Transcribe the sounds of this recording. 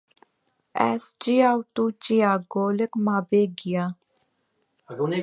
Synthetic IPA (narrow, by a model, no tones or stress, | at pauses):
ɛ̰st͡ʃiawt̪ut͡ʃiaɡoːlekmabeɡija